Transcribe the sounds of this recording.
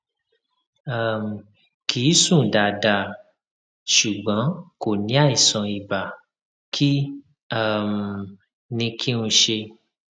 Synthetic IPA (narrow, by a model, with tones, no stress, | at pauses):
a˦˨m˨ | kʰi˨˦sũ˦˨da˨da˨ | ʃu˨ɡ͡bɔ̃˨˦ko˨nĩ˨˦a˦˨i˨sɔ̃˨i˨ba˨ | kʰi˦ | a˦˨m | nĩ˧kʰi˦nũ˧ʃe˧